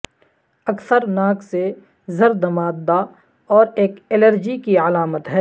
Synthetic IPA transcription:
ɐksəɾnaːkse | zəɾd̪ɐmaːd̪a | ɔːɾeːkɪləɾd͡ʒikiəlaːmət̪ɦɛː

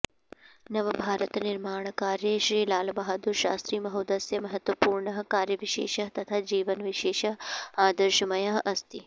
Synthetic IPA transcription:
nɐʋɐbʱaːɾɐt̪ɐniɾmaːɳɐkaːɾjeʃɾiːlaːlbaɦɐd̪uɾʃa̰ːst̪ɾiːmɐɦoːd̪ɐsjɐmɐɦɐt̪ʋɐpuːɾɳɐɦɐkaːɾjɐʋiʃḛːʃɐɦt̪ɐt̪ʰaːd͡ʒiːʋɐnʋiʃeːʃɐaːd̪ɐɾʃɐmɐjaɦɐst̪i

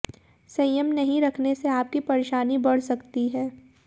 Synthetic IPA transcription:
sɐ̃jəmnɐɦĩɾɐkʰneseaːp̚kipɐɾeːʃaːnibɐɽ̤sɐkt̪iɦɛː

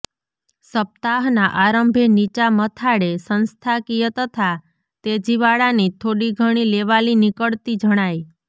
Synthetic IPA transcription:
səp̚t̪aɦnaʔaɾəmbʱenit͡ʃamət̪ʰaɽesənst̪ʰakijət̪ət̪ʰa | t̪ed͡ʒiʋaɭanit̪ʰoɽiɡʱəɽ̃ileʋalinikəɭt̪id͡ʒəɽ̃aj

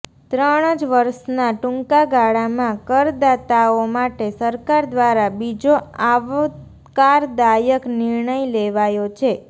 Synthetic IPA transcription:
t̪ɾəɽ̃əd͡ʒʋəɾʃnaʈũŋkaɡaɽamãkəɾd̪at̪aomaʈesəɾkaɾd̪ʋaɾabid͡ʒoaʋo | kaɾd̪ajəknɪɾɳəjleʋajot͡ʃʰe

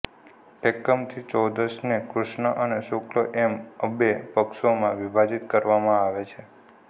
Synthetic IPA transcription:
ekəmt̪ʰit͡ʃɔd̪əsnekɾuʃɳəʔəneʃokloʔeməbepəkʃomãʋibʱad͡ʒit̪kəɾʋamãaʋet͡ʃʰe

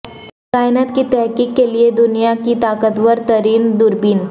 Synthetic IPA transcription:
kaːɪnət̪kit̪ɛɦkiːkːelied̪ʊnijakit̪aːkət̪wəɾt̪əɾiːnd̪ʊɾbiːn

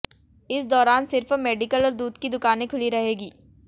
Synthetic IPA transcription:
ɪsd̪ɔːɾaːnsɪɾfmeːɖɪkəlɔːɾd̪uːd̪kid̪ʊkaːnẽkʰʊliɾɐɦeːɡiː

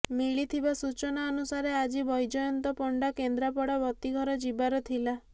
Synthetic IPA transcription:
miɭit̪ʰibasut͡ʃɔnaɔnusaɾead͡ʒibɔjd͡ʒɔjɔnt̪ɔpɔɳɖakend̪ɾapɔɽabɔt̪iɡʱɔɾɔd͡ʒibaɾɔt̪ʰila

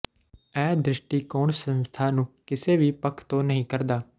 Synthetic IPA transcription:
ɛːd̪ɾɪʃʈikoːɳsə̃nst̪ʰaːnũkɪseʋipəkʰt̪onəɦĩkəɾd̪aː

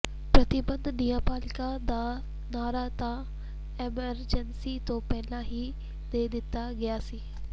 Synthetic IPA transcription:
pɾət̪ɪbə̃nd̪nijãːpaːlɪkãd̪aː | naːɾaːt̪ãː | eməɾd͡ʒənsiːt̪õːpɛːlãːɦiː | d̪eːd̪ɪt̪ːaːɡɪaːsiː

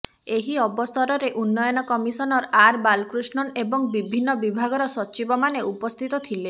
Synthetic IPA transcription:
eɦiɔbɔst̪ʰɔɾɔɾeʔunːɔjɔnɔkɔmisɔnɔɾaɾbalkɾusnɔnebɔŋbibʱinːɔbibʱaɡɔɾɔsɔt͡ʃibɔmaneʔupɔst̪ʰit̪ɔt̪ʰile

